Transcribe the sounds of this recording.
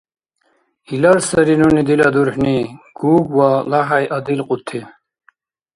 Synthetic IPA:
ilaɾsəɾinunid̪ilad̪uɾħniɡ̥uːbwalaɦajʔɐd̪ilqut̪ʰːi

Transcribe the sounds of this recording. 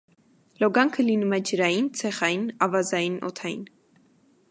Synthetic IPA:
lɔɡɑŋkʰəlinumɛd͡ʒəɾɑjint͡sʰɛχɑjinɑvɑzɑjinɔ̰t̪ʰɑjḭn

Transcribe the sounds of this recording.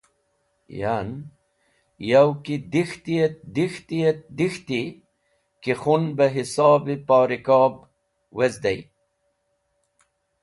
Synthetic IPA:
jan | jawkid̪ixt̪iet̪d̪ixt̪iet̪d̪ixt̪i | kixunbɐɦisɑːbipɑːɾikɑːb | wezd̪ej

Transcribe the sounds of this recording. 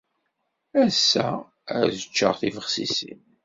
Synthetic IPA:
æsːæ | æɾzət͡ʃːə̰ʁθivəχsisḭn

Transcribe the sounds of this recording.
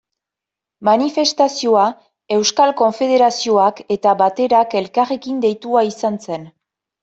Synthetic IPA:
manife̞st̪asio̞a | e̞wskalko̞ɱfe̞ð̞e̞ɾasio̞ake̞t̪aβat̪e̞ɾake̞lkare̞kind̪e̞jt̪uaisanse̞n

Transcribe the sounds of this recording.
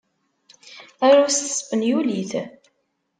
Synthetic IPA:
æɾust̪ə̥sfənjuliθ

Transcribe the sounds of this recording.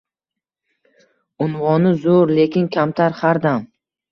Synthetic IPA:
ʊnvɒnɪzoɾle̞kʲɪnkʲʰamt̪ʰaɾhaɾd̪am

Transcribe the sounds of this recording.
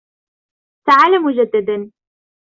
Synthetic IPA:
t̪aʕaːlamʊd͡ʒad̪ːad̪an

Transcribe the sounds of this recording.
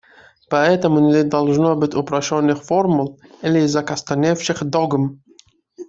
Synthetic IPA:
pɐɛt̪əmʊnʲɪd̪ɐlˠʐnobɨtʲʊpɾɐɕonːɨxformʊlˠilʲɪzːɐkɐst̪ɐnʲefʃɪxd̪oɡəm

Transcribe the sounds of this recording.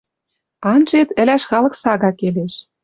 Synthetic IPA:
ɑnʒet̪ɘ̆læʃxɑlɤ̆ksɑɣɑkeleʃ

